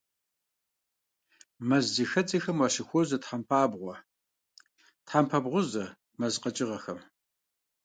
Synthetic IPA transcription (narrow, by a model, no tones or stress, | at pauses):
mɐzːixɐt͡sʼixɐmwɑːʃɪxʷɔzɐtħampʰaːbʁʷɔ | tħampʰɐbʁʷʊzɐ | mɐzqɐt͡ʃʼɪʁɐxɐm